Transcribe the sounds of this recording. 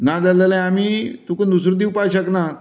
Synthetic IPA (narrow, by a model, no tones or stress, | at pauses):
nad͡zalalãamiːt̪ukənd̪usɾud̪iwpaɕəkna